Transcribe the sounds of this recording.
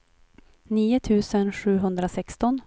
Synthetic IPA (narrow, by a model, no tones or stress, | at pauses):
niːʊt̪ʰʉ̟ːsənɧʉ̟ːɦɵnd̪ɾasɛkst̪ɔn